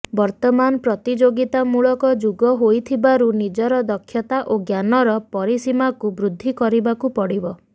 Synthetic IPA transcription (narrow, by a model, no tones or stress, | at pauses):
bɔɾt̪ɔmanɔpɾɔt̪id͡ʒoɡit̪amuɭɔkɔd͡ʒuɡɔɦojt̪ʰibaɾunid͡ʒɔɾɔd̪ɔkʰːjɔt̪aʔoɡjanɔɾɔpɔɾisimakubɾud̪ʱːikɔɾibakupɔɽibɔ